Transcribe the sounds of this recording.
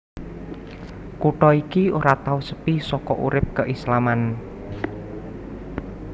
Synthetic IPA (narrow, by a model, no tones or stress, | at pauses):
kuʈɔikioɾat̪ausə̥pisɔkɔʔṵɾɪp̚kəʔislaman